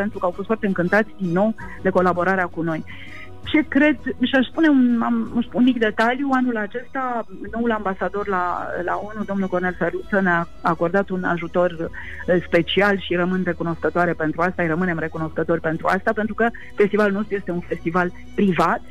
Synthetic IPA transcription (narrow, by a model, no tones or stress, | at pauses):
pe̞nt̪ɾukəawfost̪fart̪e̞ɨŋkɨnt̪at̪sʲd̪inːo̞w | d̪e̞ko̞labo̞ɾaɾeakuno̞j | t͡ʃe̞kɾe̞d̪ʃaʃspune̞unamʃunmikd̪e̞t̪aljuanulat͡ʃe̞st̪a | no̞ulambasad̪o̞rla̰la̰o̞nud̪o̞mnulko̞rne̞lferlut̪sənea | ako̞rd̪at̪una̰ʒut̪o̞r | spe̞t͡ʃialʃirəmɨnre̞kuno̞skət̪oaɾe̞pe̞nt̪ɾuast̪ajrəmɨne̞mre̞kuno̞skət̪o̞rʲpe̞nt̪ɾua̰st̪apent̪ɾukə | fe̞st̪ivalulno̞st̪ɾuje̞st̪eunfe̞st̪ival | pɾivat̪